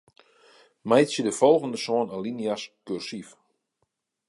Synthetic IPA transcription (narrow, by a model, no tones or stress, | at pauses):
mɛjsjədəfɔlˠɣəndəsoːnaliniaskyrsif